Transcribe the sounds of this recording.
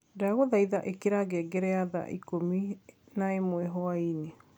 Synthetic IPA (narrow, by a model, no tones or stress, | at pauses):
daɣoðaiðaʔekeɾaɣɛɡɛɾɛaða̰ʔḭkominaemwɛɦɔaine